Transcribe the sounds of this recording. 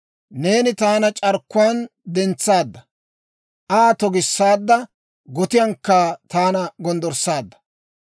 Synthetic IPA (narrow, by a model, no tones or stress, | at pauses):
ne̞ːnɪt̪aːnɐt͡ʃʼɐɾkːʊwaːnd̪ɛnt͡sːaːd̪ːɐ | ʔaːt̪ɔɡɪsːaːd̪ːɐ | ɡɔt̪ɪjɐŋkːɐt̪aːnɐɡɔnd̪ɔɾsːaːd̪ːɐ̥